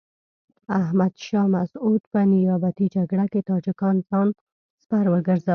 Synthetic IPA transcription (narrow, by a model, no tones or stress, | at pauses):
ahmad̪ʃɑmasud̪pənɪjɑbat̪id͡ʒaɡɽaket̪ɑd͡ʒɪkɑnzɑn | spaɾwəɡəɾza